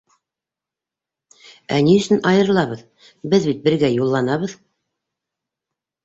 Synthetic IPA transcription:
æniɵ̆sɘnɑjɤ̆ɾlˠɑβɤð | bɘðbit̪̚bɘ̆ɾɡæjulˠːɑnɑβɤð

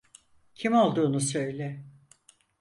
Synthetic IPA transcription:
cʰimolˠd̪uːnusø̞jlʲɛ

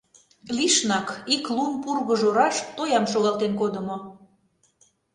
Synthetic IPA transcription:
liʃnɑkiklunpurɣəʒoɾɑʃt̪ojɑmʃoɣɑlˠt̪enkod̪ə̆mo

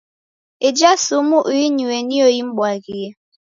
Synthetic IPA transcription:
ed͡ʒasumuʔuiɲuweniojim̩ɓwalɡije

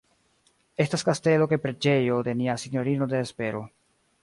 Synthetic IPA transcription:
e̞staskaste̞lo̞kepɾed͡ʒe̞jo̞de̞niasinjo̞ɾino̞de̞ːspe̞ɾo̞

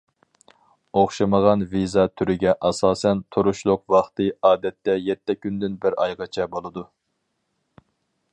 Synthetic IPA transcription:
oχʃɑməʁɑnvizɑt̪ʰyɾɪɡʲɛʔɑsɑːsɛnt̪ʰuɾuʃlˠʊqwɑχt̪ɨɑːd̪ɛt̪ʰːɛjɛt̪ʰːɛkʲynd̪ɪnbɪɾɑ̰jʁɑt͡ʃʰɛbolˠɨd̪u

